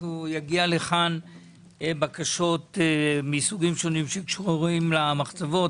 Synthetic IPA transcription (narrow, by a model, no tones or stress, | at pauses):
ujaɡialeχan | bakaʃo̞t̪misuɡimʃo̞nimʃeikʃuʁuʁimlamaχt͡savo̞t